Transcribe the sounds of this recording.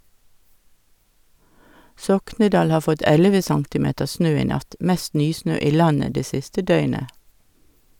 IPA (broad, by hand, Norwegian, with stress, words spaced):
ˈsɔknədɑːl ˈhɑː ˈfɔt ˈɛləʋə ˈsɑŋtɪˌmeːtəʁ ˈsnøː ˈiː ˈnɑt ˈmɛst ˈnyːˌsnøː ˈiː ˈlɑnə ˈdeː ˈsɪstə ˈdœʏnə